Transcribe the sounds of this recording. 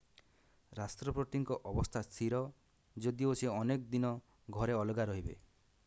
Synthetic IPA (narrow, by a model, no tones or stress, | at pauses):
ɾast̪ɾɔpɾoʈiŋkɔʔɔbɔst̪ʰast̪ʰiɾɔ | d͡ʒod̪ioseɔnekd̪inɔ | ɡʱɔɾeɔlɔɡaɾɔɦibḛ